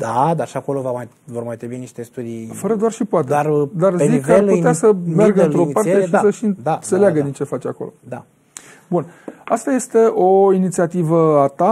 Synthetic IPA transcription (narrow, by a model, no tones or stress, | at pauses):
d̪ad̪arʃiako̞lovamaj | vormajt̪ɾibuiniʃt̪e̞st̪ud̪ifəɾəd̪oarʃipoat̪ead̪arezikəarlueasəmerɡəɨnt̪ɾopart̪eʃisəʃiɨnd̪at̪se̞leaɡəd̪int͡ʃe̞fat͡ʃa̰kolo̞̰d̪a | bunast̪aje̞st̪e̞ʔo̞init̪siat̪ivəat̪a